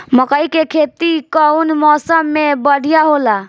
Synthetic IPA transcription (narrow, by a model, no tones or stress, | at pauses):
məkəjkekʰet̪ikəwnmɔːsəmːebəɽ̤ʱijaɦola